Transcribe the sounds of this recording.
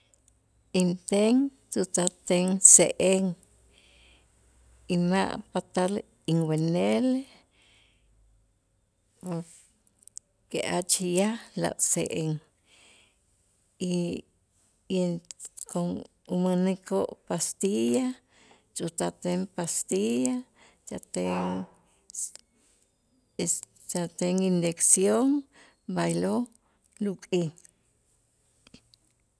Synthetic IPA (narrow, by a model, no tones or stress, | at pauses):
int̪eŋ | t͡ʃʼut̪at̪eŋseʔeŋ | ima̰ʔpat̪al | iŋwenele | poɾ | keʔat͡ʃijala̰ʔsḛʔeŋ | i | jenkoŋ | umanikoʔpast̪ija | t͡ʃʼut̪at̪eŋpast̪ija | t͡ʃat̪eŋ | t͡ʃat̪eŋind̪eksjoŋ | bajlo | lukʼi